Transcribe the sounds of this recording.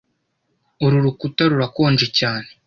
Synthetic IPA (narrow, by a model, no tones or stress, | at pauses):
oɾuɾukutaɾuɾakoːnd͡ʒecaːne